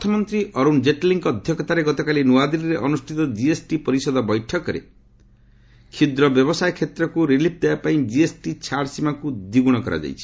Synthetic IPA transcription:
t̪ʰɔmɔnt̪ɾiɔɾund͡ʒeʈliŋkɔd̪ʱjɔkɔt̪aɾeɡɔt̪ɔkalinuwad̪iɾiɾeʔɔnusʈʰit̪ɔd͡ʒiesʈipɔɾisɔd̪ɔbɔjʈʰɔkɔɾḛ | kʰid̪ɾɔbjɔbɔsajkʰet̪ɾɔkuɾilip̚ʰd̪eapaĩd͡ʒiesʈit͡ʃʰaɾɖsimakud̪iɡuɽ̃ɔkɔɾa̰d͡ʒa̰jt͡ʃʰi̥

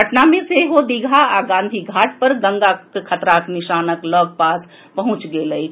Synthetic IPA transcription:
ɡəʈnamẽseɦod̪iɡʱaaɡãːnd̪ʱiɡʱaːʈ̚ʰpəɾɡə̃ŋɡakekʰət̪ɾaknɪʃaːnəkləːb̚paːs | pəɦʊ̃t͡ʃɡeləi

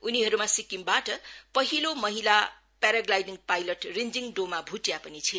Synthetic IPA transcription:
uniɦʌɾumasikimbaʈʌpʌɦilomʌɦila | paɾaɡlajniŋpajlʌʈrind͡ziŋɖomabʱuʈjapʌnit͡sʰi

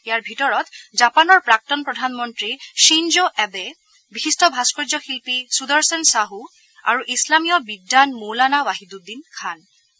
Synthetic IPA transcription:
ijaɹbʱitɔɹɔtzapanɔɹpɹak̚tɔnpɹɔdʱanmɔntɹiʃinzoʔɛbe | bixistʰɔbʱaskɔd͡ʒɔxilpisudɔɹsɛnsaɦu | a̰ɹuʔislamijɔbidːanmolanawaɦidudinkʰan

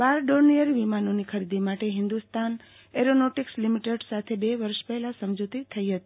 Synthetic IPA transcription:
ʋaɾɖoɾnijəɾʋimanonikʰəɾid̪imaʈeɦɪnd̪ust̪an | eɾonoʈikslimiʈeɖsat̪ʰebeʋəɾʃpɛɦɛlasəmd͡ʒut̪it̪ʰəiɦət̪i̥

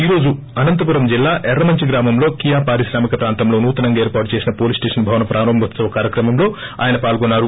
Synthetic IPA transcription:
iːɾo̞ːd͡ʒu | ɐnɐnt̪ɐpuɾɐmd͡ʒilːaːʔɛɾːɐmɐɲt͡ʃiɡɾaːmɐmlo̞ːkijaːpaːɾiʃɾaːmikɐpɾaːnt̪ɐmlo̞ːnuːt̪ɐnɐŋɡɐeːɾpaːʈut͡ʃe̞ːsinɐpoːlisʈe̞ːʂɐnbʱɐʋɐnɐpɾʔaːnɐmʋɐt̪sɐʋɐkaːɾjɐkɾɐmɐmlo̞ːa̰ːjɐnɐpaːlɡonːaːɾu

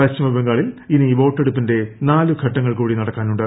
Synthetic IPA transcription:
ɐɕɐmɐbɐŋɡaːɭiliniʋo̞ːʈːeɽupːinde̞naːluɡʱɐʈːɐŋːɐɭkuːɽinɐɽɐkːaːnuɳɖɨ

